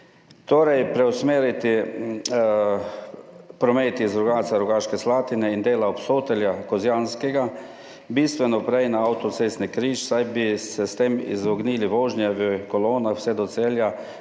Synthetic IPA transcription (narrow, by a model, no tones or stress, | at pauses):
t̪oːɾajpɾɛwsmeːɾit̪i | pɾɔmeːt̪izɾɔɡaːt̪saɾɔɡaːʃkɛslaːt̪inɛind̪eːlaɔpsoːt̪ɛljakɔzjaːnskɛɡa | biːst̪ʋɛnɔpɾɛjnaawt̪ɔt̪seːst̪nɛkɾiːʃsajbisɛst̪emḭzɔɡniːliʋoːʒnjɛʋəkɔloːnaxwsɛd̪ɔt̪seːlja